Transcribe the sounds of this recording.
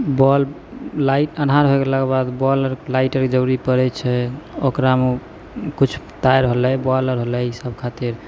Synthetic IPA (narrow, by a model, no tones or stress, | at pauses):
bɔl | laiʈənɦaɾɦoeɡelaɡebad̪bɔləɾlaɪʈəɾked͡ʒəɾuɾipəɾɛt͡ʃʰɛokɾame | kut͡ʃʰ | t̪ajɾɦolɛbɔləɾɦolɛisəbkʰat̪iɾ